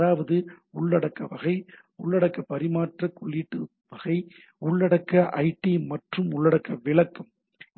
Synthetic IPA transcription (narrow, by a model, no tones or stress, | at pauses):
aːʋɐðɯ | ʊɭːɐɽɐkːɐʋɐɣɐɪ | ʊɭːɐɽɐkːɐpɐɾɪmaːʈrɐkɔɭːiːʈːɯ | ʋɐɣɐɪ | ʊɭːɐɽɐkːɐʔɐɪʈːimɐʈrɯmʊɭːɐɽɐkːɐʋɪɭɐkːɐm